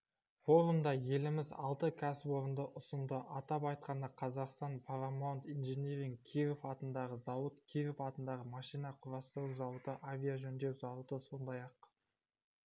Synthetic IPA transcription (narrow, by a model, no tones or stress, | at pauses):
fo̞ɾumd̪ɑje̞lɪmɪzɑ̰lˠt̪əkʲʰæspo̞ɾənd̪əʔʊsənd̪əʔɑt̪ɑpɑjt̪̚qɑnəqʰɑzɑqst̪ɑnpʰaɾamont̪ijnʒeneɾʲɪŋkʲʰiɾofɑt̪ənd̪ɑʁəzɑwət̪kʲʰiɾofɑt̪ənd̪ɑʁəmɑʃijnɑqʰʊɾɑst̪əɾuzɑwət̪əʔavʲijaʒɵnd̪e̞wsɑlˠud̪əso̞nd̪ɑjɑq